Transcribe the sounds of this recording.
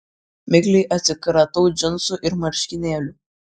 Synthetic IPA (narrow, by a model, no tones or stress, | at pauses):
mʲɪɡʲlʲɛɪʔɐt̪ʲsʲɪkɾɐt̪oʊd͡ʒʲɪnsʊʔɪɾmɐɾʲʃʲkʲɪnʲeːlʲʊ